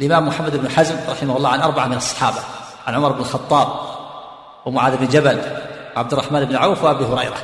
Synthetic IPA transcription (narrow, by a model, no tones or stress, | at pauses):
ʔalʔɪmaːmːʊħamːad̪ɪbnħazmɾˤɑħɪmahʊlːˤɑːʕanʔɑɾˤbaʕamɪnɑsˤːɑ̥ħɑːba | ʕanʕʊmɑɾˤɪbnɪlxɑt̪ˤːɑːb̚ | wɪmʊʕaːd̪ɪbnd͡ʒabalwʕab̚d̪ʊrˤːɑħmaːnɪbnʕaːfwɪʔabihʊɾɑjɾa̰